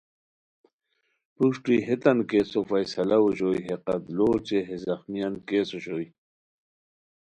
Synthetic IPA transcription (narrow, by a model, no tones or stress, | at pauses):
puʂʈiɦet̪ɐnkeːsofajsɐlauɕojɦeqɐt̪loːt͡ɕeɦezɐxmijankeːsoɕoːj